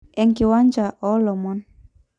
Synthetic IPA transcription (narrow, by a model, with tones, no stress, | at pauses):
ɛ˨ŋki˨wa˦ɲd͡ʒa˨ʔɔ˦lɔ˨mɔ˦n